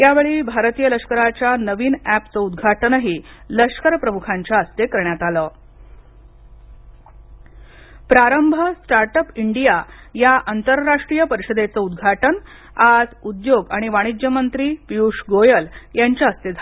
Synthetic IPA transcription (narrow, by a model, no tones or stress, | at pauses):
jaʋeɭiːbʱaɾt̪ijələʂkəɾat͡ɕjanəʋiːnæpt͡səud̪ɡʱaʈənəɦiː | ləkʂkəɾpɾəmukʰaɲt͡ɕjaəst̪ekəɾɳjat̪aləː | pɾaɾəmbʱəsʈaɾʈəpiɳɖija | jaʔant̪əɾːaʂʈɾijəpəɾiɕəd̪et͡səud̪̚ɡʱaʈən | ad͡zud̪joɡaɽ̃iʋaɽ̃id͡ʑjəmənt̪ɾiːpiuʂɡojəljaɲt͡ɕjaəst̪ed͡z̪ʱ